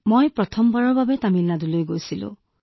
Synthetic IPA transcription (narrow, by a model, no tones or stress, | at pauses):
mojpɹɔt̪ʰɔmbaɹɔbabet̪amilnadulojɡojsilṵ̃